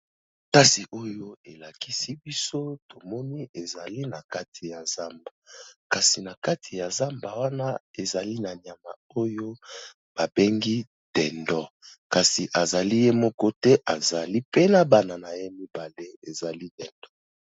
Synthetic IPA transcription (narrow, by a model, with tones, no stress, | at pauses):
ta˦si˨ʔo˦jo˦e˨la˨ki˦si˦bi˦so˦to˨mɔ˦ni˦ʔe˨za˨li˦na˨ka˦tʰi˨ja˨za˦mba˨ka˨si˨na˨ka˦tʰi˨ja˨za˦mba˨wa˦na˦e˨za˨li˦na˨n˨a˨ma˨ | o˦jo˦ | b̥a˨be˦ŋɡi˦ | d̥ɛ˨ndɔ˦ka˨si˨ʔa˨za˨li˦je˦mɔ˦kɔ˦tɛ˦ʔa˨za˨li˦pe˦na˨ba˦na˨na˨je˦mi˦ba˨le˦e˨za˨li˦dɛ˨nd̥ɔ˦